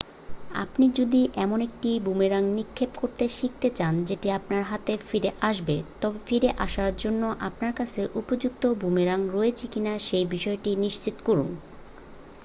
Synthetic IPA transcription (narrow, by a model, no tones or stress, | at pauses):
a̰pnid͡ʑod̪iʔɛmonek̚ʈibumeɾaŋnikʰːebkoɾt̪eʃik̚t̪et͡ɕand͡ʑeʈiapnaɾɦat̪efiɾeʔaʃbet̪ɔbefiɾeʔaʃaɾd͡ʑonːoʔapnaɾkat͡ɕʰeʔupod͡ʑuk̚t̪obumeɾaŋɾoet͡ɕʰikinaʃejbiʃɔeʈiniʃt͡ɕit̪o̥koɾṵn